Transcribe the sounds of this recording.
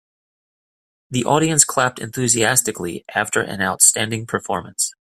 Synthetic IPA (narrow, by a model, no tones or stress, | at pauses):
ðiʔɔɾiɨ̃nskʰl̥æp̚tʰɨ̰̃nθʉziæstɨkliʔæftʰə˞ʔɨ̰̃naʊtstæ̃ndɪ̃ŋpʰə˞fɔɹmə̃ns